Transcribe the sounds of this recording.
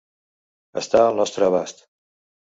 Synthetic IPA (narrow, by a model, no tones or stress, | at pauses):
ə̰st̪aəlˠnɔst̪ɾəβast̪